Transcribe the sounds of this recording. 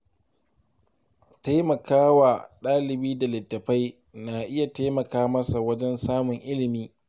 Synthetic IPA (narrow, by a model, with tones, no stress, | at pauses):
ta˦jmɐ˨kaː˦waː˨ɗaː˦lɪ˨biː˦da˨lɪ˨tːɐ˨ɸa˦j | na˨ʔɪ˦ja˨ta˦jmɐ˨kaː˦mɐ˦sa˨wɐ˦d͡ʒɛ˦nsaː˦mʊ˨ŋʔɪ˦lɪ˨miː˦